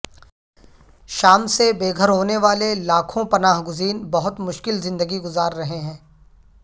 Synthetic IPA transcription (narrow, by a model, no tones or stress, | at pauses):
ʃaːmsebeːɡʱəɾɦoːneʋaːlelaːkʰõpɐnaːɦɡʊziːnbɐɦʊt̪mʊʃkɪlzɪ̃nd̪əɡiɡʊzaːɾːɐɦeɦɛ̃ː